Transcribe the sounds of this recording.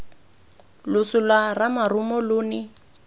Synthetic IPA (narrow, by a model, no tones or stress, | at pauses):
lʊsʊlwaramarʊmɔlʊːnɪ